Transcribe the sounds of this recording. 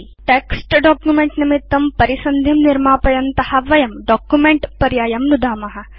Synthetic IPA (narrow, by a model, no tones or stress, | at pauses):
ʈeːksʈɖɔːkjumeɳʈnimit̪ːɐmpɐɾisɐnd̪ʱimniɾmaːpɐjɐnt̪ɐhɐʋɐjɐmɖɔːkjumeɳʈpɐɾjaːjɐmnud̪ʱaːmɐɦɐ̆